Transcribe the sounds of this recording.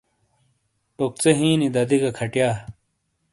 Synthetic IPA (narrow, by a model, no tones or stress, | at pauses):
pok̚t͡seɦĩːnid̪ɐd̪iɡɐkʰɐʈjaː